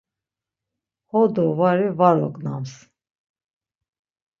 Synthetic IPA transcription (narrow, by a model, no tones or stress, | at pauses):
hɔd̪ɔvaɾivaɾɔknams